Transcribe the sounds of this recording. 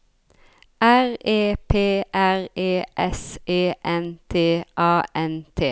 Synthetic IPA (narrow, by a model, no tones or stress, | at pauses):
æʁeːpʰeːʔæʁeːʔɛseːʔɛnt̪ʰeːʔɑːʔɛnt̪ʰeː